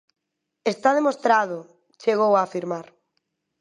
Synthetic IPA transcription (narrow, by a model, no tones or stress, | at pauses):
est̪aðemost̪ɾað̞ʊ | t͡ʃeɣ̞owaːfiɾmaɾ